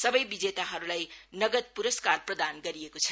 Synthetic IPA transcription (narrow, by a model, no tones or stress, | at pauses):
sʌbʌjbid͡zet̪aɦʌɾulajnʌɡʌd̪̚puɾʌskarprʌd̪anɡʌɾiekot͡sʰʌ